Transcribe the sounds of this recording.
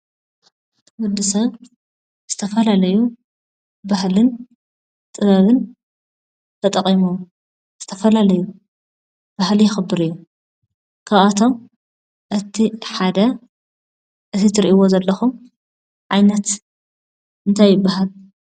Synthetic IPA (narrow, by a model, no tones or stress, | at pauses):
wʊd̪ɨsɐβ | z̥ɨt̪ʰɐfɐlalɐju | bahlɨn | t̪ʼɨβɐβɨn | t̪ʰɐt̪ʼɐχʼimu | z̥ɨt̪ʰɐfɐlalɐju | b̥ahlijɪxɨbːɨɾɨjːu | kʰaβat̪ʰo̞m | ʔɨt̪ʰiħad̪ɐ | ʔɨt̪ʰit̪ʰɨɾʔiwozɐlːɐxum | ʕajnɐt̪ | ʔɨnt̪ʰajːɪbːaɦal